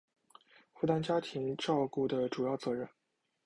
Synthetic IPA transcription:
fu˥˧t̪a˥nt͡ɕja˥t̪ʰi˧˥ŋʈ͡ʂɑ˥˧ʊku˥˩d̪ə˩ʈ͡ʂu˨˩jɑ˥˩ʊt͡sɤ˧˥ɻə˥˩n

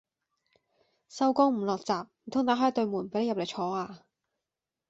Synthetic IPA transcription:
sɐ˧wkɔː˥ŋm̩˨˩lɔː˨k̚t͡saː˨p̚m̩˨˩t̪ʰʊ˥ŋt̪aː˨˧˥ɦaː˨˥jt̪ɵ˧ɥmuː˨˩npe˨˧˥le˧jɐ˨le˨˩jt͡ʃʰɔː˨˧˥aː˧

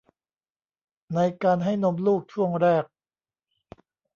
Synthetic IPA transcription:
na˧jkaː˧nɦa˥˩jno˧˥mluː˥˩k̚t͡ɕʰu˥˩əŋɾɛː˥˩k̚

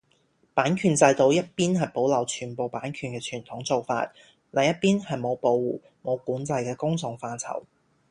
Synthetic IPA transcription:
paː˨˥nkʰyː˨˧nt͡sɐ˧jt̪o˧wjɐ˥t̚piː˥nhɐ˨˩jpo˨˥wlɐ˨˩wt͡ʃʰyː˨˩npo˨wpaː˨˥nkʰyː˨˩nkɛː˧t͡ʃʰyː˨˩nt̪ʰʊ˨˥ŋt͡so˨wfa̰ː˧t̚ | lʔɐ˨jɐ˥t̚piː˥nhɐ˨jmo˨˧wpo˧wwuː˨˩ | mo˨˧wkuː˨˥nt͡sɐ˧jkɛː˧kʊ˥ŋt͡sʊ˨˧ŋfaː˧nt͡sʰɐ̰˨˩w

